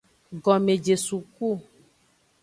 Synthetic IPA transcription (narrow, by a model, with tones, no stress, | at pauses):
ɡɔ˨mẽ˨d͡ʒe˨su˨ku˦˨